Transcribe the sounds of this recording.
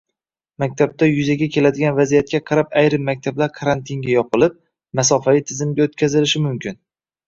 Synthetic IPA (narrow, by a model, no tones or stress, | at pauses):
mak̚ʲt̪ʰab̚t̪ʰajʊzaɡʲakʲʰe̞lad̪ɪɡʲanvazijat̪̚kʲaqʰɑɾapajɾɪmːak̚ʲt̪ʰablaɾkʰaɾant̪ʰɪŋɡʲajɒpɨlˠɪp̚ | masɒfavit̪ʰɪzɪmɡʲaot̪kʲʰazɪlɪʃɪmʊmkʲʰɪn